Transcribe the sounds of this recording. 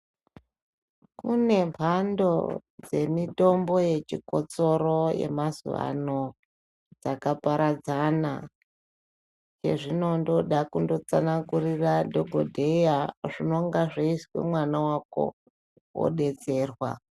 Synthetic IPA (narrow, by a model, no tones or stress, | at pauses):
kune̞mpʰando̞d͡ze̞mito̞mbo̞je̞t͡ʃiko̞t͡so̞ɾoje̞̰mazṵʋa̰no̞ | d͡zakapaɾad͡zana̰ | t͡ʃe̞̰ʐino̞ndo̞ɗakundo̞t͡sanaŋɡuriradʱo̞ɡʱodʱe̞jaʐino̞ŋɡaʐeiswe̞̰mwanawako̰ | wo̰ɗe̞t͡se̞ːrwa̰